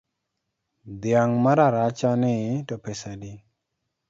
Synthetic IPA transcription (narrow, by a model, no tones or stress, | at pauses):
d̪jaŋmaɾaɾat͡ʃanɪtɔpesadi